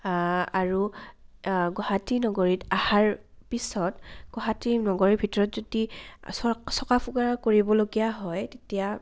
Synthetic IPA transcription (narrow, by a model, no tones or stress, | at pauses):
aɹu | ɡɔɦatinɔɡoɹitahaɹ | pisɔtɡ̥ɔɦatinɔɡoɹibʱitɔɹɔtzodisɔsɔkapʰukaɹakoɹibɔloɡijaɦɔjtetija